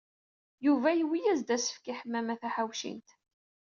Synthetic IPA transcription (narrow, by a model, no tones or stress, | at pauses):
juvæjəwijæzd̪æsə̥fkiħəmːæmæθæħawʃḭnt̪